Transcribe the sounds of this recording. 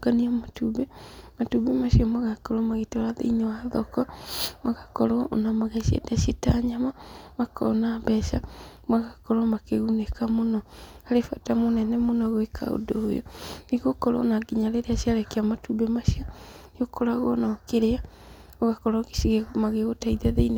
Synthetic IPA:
ɡaniamatubɛmatubemaʃiɔmwaɣakɔɾɔmaɣetoɾaðḛiɲowaðɔkɔmaɣakɔ̰ɾoo̰namaɣeʃiḛdaʃetaɲamamakʰɔ̰nabɛʃa | mwaɣakɔɾɔmakeɣunekamonɔhaɾefatamonɛnɛmonɔɣwekʰa̰o̰doːjo̰neɣokɔɾo̰naɡiɲaɾeɾeasiaɾɛkeamatubemaʃiɔneokɔɾaɣoɔnakeɾea | oɣakɔɾaɣe̥ʃiɣeɣmaɣeɣotaiðaðeine

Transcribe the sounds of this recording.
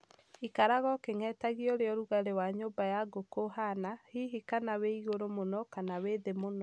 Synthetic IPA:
ikaɾaɣɔkeŋɛːtaɣiɔɾeɔɾuɣaɾewaɲoːmbajaɡokoɦanahiɦikanaweiɣoɾomonɔkanaweːðemonɔ

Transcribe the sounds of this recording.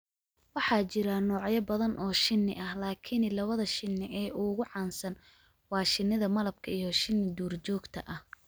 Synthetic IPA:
wɑħɑːt͡ʃɪɾɐnɔːʕjɐbɐðɐnʔɔːʃɪnːɪ̰ʔɐhlaːkʰɪnɪlɐβɐðɐʃɪnːɪʔɛːʔʊɣʊʕɑːnsɐn | wɑːʃɪnːɪðɐmɐlɐb̚kʰɐijɔʃɪnːɪd̪uːrt͡ʃɔːɡt̪ʰɐ̰ʔɐh

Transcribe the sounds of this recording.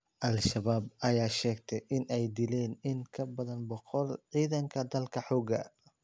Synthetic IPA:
ʔɐlʃɐβaːb̚ɐjaːʃɛːɡt̪ʰɛjʔɪnɛjd̪ɪlɛːnɪŋkʰɐbɐðɐnbɔqɔlʕiːðɐŋkʰɐd̪ɐlkʰɐħɔːɡɐ̰

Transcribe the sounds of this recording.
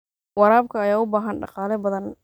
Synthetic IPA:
wɑɾaːb̚kʰɐːjaːʊbaːɦɐnɖɑ̰qɑːlɛbɐðɐn

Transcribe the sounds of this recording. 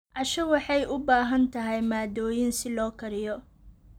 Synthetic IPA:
ʔɐʃɐwɑħɑjʔʊbaːɦɐnt̪ʰɐɦɛjmaːd̪ɔːjɪnsɪlɔːkʰɐɾɪjɔ

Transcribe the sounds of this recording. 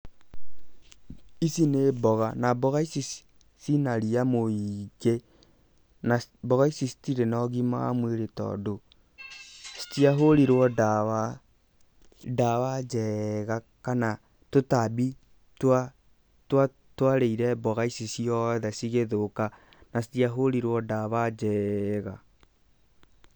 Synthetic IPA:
isinebɔɣanabɔɣaisis | sinaɾiamoiɡe | nabɔɣaisisi̥tiɾenɔɣima̰a̰mweɾetɔ̰do | si̥tiaɦoɾiɾwɔdawa | dawad͡ʒɛɣa | kana | totabi | twa | twa | twaɾeiɾɛbɔɣaisisiɔðɛsiɣeðoka | nas̬itiaɦoɾiɾwɔdaβad͡ʒɛɣa

